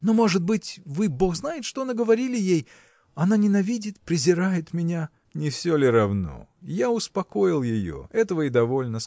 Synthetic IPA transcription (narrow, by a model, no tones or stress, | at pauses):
no̞mo̞ʐɨd̪̚bɨtʲvɨbo̞xznajɪt̪ʂt̪onaɡəvɐɾʲilʲɪjej | ɐnanʲɪnɐvʲidʲɪt̪pɾʲɪzʲɪɾajɪt̪mʲɪnʲa | nʲɪfsʲolʲɪɾɐvno̰jaʊspɐko̞jɪlˠjɪjo̞̰ɛt̪əvəɪd̪ɐvo̞lʲnəs